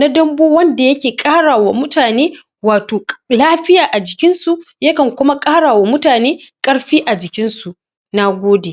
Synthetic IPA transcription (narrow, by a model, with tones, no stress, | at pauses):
na˦dɐ˦mboː˦wɐ˦nda˨jɐ˦kʲeː˨kʼaː˦ɽaː˨wa˨mʊ˦taː˨neː˦ | waː˨toː˨laː˦ɸɪ˦jaː˨ʔa˨d͡ʒɪ˨kʲɪ˦nsu˨ | jɐ˦kɐ˨ŋkʷʊ˦ma˦kʼaː˦ɽaː˨wa˨mʊ˦taː˨neː˦kʼɐ˦ɽɸiː˦ʔa˨d͡ʒɪ˨kʲɪ˦nsu˨ʔ | na˦ɡʷoː˦deː˨